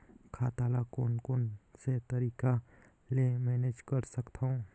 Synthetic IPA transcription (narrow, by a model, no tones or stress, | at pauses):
kʰaːt̪aːlakoːnkoːnset̪əɾiːka | lemɛːned͡ʒkəɾsəkt̪ʰaɦũ